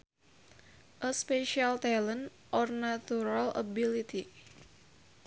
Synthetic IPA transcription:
ʔəspeʃialt̪alən | ʔɔrnat̪uɾalə̰bilit̪i

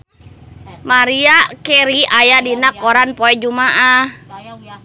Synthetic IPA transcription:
maɾiakɛɾiajadinakɔɾanpɔɛd͡ʒumaʔah

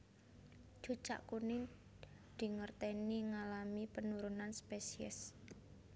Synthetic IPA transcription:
d͡ʒ̥ṳt͡ʃa̰ʔkuni | d̪̥i̤ŋərt̪ɛniŋalamipənuɾunanspesiɛ̰s

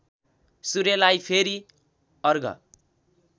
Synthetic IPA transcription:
suɾelajpʰeɾi | ʌrɡʌ̰

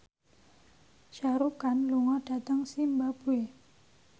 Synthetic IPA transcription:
ʃaɾukanluŋɔd̥a̤t̪əŋsimbab̥ue

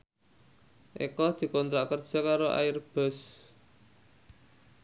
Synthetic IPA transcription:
ʔḛkɔd̪̥i̤kɔnt̪ɾaʔkərd̥ʒ̥ɔ̤kaɾoʔa̰jɪrb̥ɔ̤s

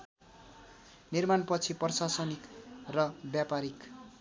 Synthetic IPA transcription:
nirmanpʌt͡sʰiprʌsasʌnikrʌbjapaɾik

